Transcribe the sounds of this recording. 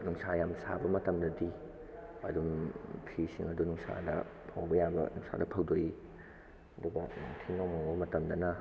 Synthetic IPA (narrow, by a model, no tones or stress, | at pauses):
nuŋsajamsa̰bɐmɐtɐmdɐdi | ɐdumpʰisiŋɐdunuŋsa̰dɐ̰pʰawbɐjabɐ̰nuŋsa̰dɐpʰɐwdoji | ɐduɡɐŋtʰinomaŋbɐmɐtɐmdɐnɐ